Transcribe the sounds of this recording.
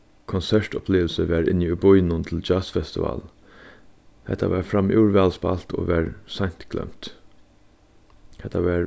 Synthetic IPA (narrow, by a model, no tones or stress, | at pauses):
kʰɔnsɛɹʈɔpʰleːʋəl̩səʋæːɾɪ̰nːiʊbʊjnʊnt̪ʰɪld͡ʒaːsfɛst̪ɪva̰ːl | hɛ̰t̪ʰa̰ʋɛːɹfɾamɪ̰ːɹʋɛlspa̰lt̪o̰ːʋɛɹsaɲ̥t̪klɛ̰m̥t̪ | hɛt̪ʰːaʋæːɹ